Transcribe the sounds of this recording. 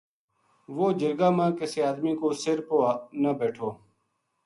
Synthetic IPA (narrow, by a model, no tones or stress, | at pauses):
ʋoːd͡ʒəɾɡaːmãːkəseːaːd̪mĩːkoːsɪɾpoːnəbeːʈʰoː